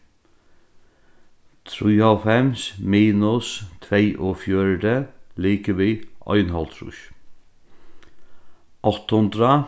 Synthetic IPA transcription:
t̪ʰɾiːɑfɛmsmiːnʊst̪ʰʋeɪʔoːfjøːɹd̪əliːkəʋiːʔœ̰ʏnɦɑlt̪ʰɾʊ̰ʃ | ʔɔt̪hʊnd̪ɾə

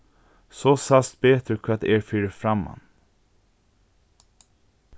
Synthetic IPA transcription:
sosast̪beːt̪ʰɾʏkʰːat̪eːɾfyːɾəfɾamːa̰n

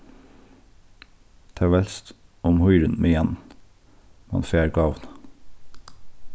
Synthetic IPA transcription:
t̪ʰɛːʋɛlst̪ʊmhɔʏɾənmeːjɛn | mɑ̰nfeːɾɡɑːʋn

